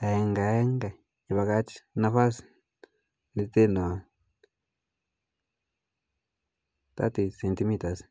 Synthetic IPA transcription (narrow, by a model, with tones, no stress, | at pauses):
a˨e˧ŋɡa˨˦ŋɡa˨ | a˧βa˧ka˧˦t͡ʃi̥˦nã˧fa˦s | ni˧t̪e˦nõ˨a˧ | t̪a̰˦t̪i˧se˨˧nt̪i˧˦mĩ˧t̪a˧s